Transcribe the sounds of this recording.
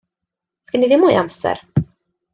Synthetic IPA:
skanɪvɪmoːʔa̰msə̰ɾ

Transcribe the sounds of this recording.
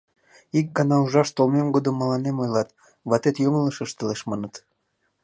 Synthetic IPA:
ik̚ɡɑnɑuʒɑʃt̪olmemɡod̪əmːəlɑnemojlɑt̪ | βɑt̪et̪jomələʃəʃt̪əleʃmɑnət̪

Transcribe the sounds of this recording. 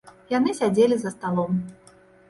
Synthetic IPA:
janɨsʲad͡zʲelʲizɐst̪alˠɔm

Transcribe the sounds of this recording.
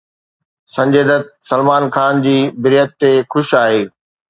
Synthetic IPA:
sɐ̃ɲd͡ʑeːd̪ət̪̚sɐlmaːnxaːnd͡ʑiːbɪɾijət̪ːexʊʃaːɦeː

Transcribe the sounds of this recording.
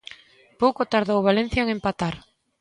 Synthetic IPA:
powkot̪aɾðowβalẽn̟θjoeŋempat̪aɾ

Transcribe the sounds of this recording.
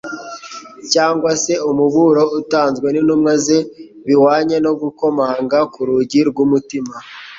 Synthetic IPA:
caːŋɡwase̞umuβuɾo̞utaːnzɡwe̞ninumŋaze̞ | βiwaːɲe̞no̞ɡuko̞maːŋɡakuɾuɟiɾɡwumutima

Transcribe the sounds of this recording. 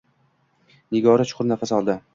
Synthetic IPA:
nɪɡɒɾat͡ʃʰʊ̥qʰʊɾnafasɒlˠd̪ɪ

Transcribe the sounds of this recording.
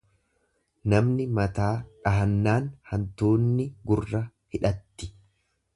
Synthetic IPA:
nɐmnɪmɐt̪aːᶑɐɦɐnːaːnhɐnt̪uːnːɪɡʊrːɐ | hɪᶑɐt̪ːɪ̥

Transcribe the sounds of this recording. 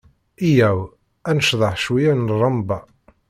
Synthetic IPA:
ijæw | ænəʃðˤɑħʃwijænrˤɑmbɑ

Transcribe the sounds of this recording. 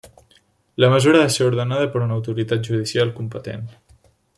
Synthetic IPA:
ləməzuɾəðaseuɾðənaðəpəɾunəwt̪uɾit̪at̪̚ʒuð̞isialˠkumpət̪ḛn

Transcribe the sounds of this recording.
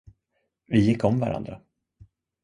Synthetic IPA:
vɪjɪkːɔmva̰ɾʔa̰nd̪ɾa

